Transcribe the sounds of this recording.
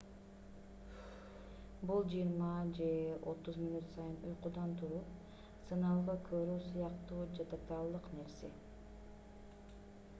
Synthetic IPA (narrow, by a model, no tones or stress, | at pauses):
bulˠd͡ʒɯjiɾmɑd͡ʒe̞o̞t̪uzmʲinut̪sɑjɯnujqud̪ɑnt̪ʰuɾup | sɯnɑlˠʁɑkʰøɾyːsɯjɑqt̪uːd͡ʒet̪ʰat̪ɑlˠːɯqne̞ɾsḛ